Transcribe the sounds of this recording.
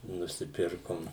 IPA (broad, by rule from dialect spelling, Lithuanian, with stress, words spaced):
nʊsʲɪˈpʲɪrkoːm